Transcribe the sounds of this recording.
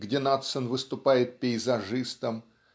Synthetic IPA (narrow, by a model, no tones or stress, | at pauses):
ɡdʲenat̪sənvɨst̪ʊpajɪt̪̚pʲɪɪzɐʐɨst̪əm